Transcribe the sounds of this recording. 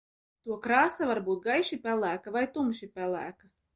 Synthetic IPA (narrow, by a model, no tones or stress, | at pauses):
t̪uɔkɾaːsavaɾbuːt̪̚ɡajʃipʲælˠæːkavajt̪umʃipʲælˠæ̰ːkɐ